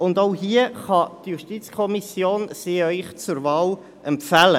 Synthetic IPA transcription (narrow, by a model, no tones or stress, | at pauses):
ʊndoʊɦiəχɑtjuʃtit͡skʰɔmisjoːnsiːœʏχt͡sʊɾvɑːl | ʔɛmpfælə